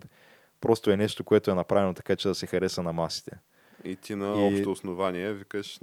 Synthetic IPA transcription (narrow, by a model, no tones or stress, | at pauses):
pɾɔst̪oɛnɛʃt̪okoɛt̪oɛnɐpɾavɛnot̪ɐ̥kat͡ʃɛd̪ɐsɛxɐɾɛsənɐmasi̥t̪ɛ | it̪inɐɔpʃtt̪oːsnovaniɛvikəʃ